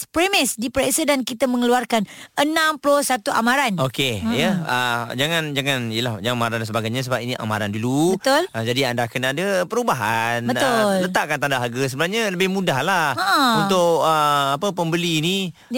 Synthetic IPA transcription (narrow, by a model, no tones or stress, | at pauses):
pɾemɪsdipɾesədankit̪aməŋəluarkanənãmplɔsat̪uʔa̰maɾanokejəəd͡ʒaŋãnd͡ʒaŋanijəlahd͡ʒaŋanamaɾandansəbaɡajɲas̬əbap̚iniʔa̰ma̰ɾandulut̪ʊləd͡ʒadiandakənadəpəɾubaɦanbət̪ʊllət̪aʔkant̪andaɦaɡəs̬əbənahɲaləbɪhmudahlaunt̪ʊkəapəpəmbəliːni